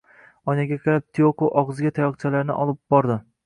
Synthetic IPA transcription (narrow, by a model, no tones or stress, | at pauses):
ɒjnaɡʲaqʰɨɾap̚t̪ʰijokoʔɒʁɨzɪɡʲat̪ʰajɒqt͡ʃʰalaɾnɪ̰ʔɒlˠɪp̚bɒɾd̪ɪ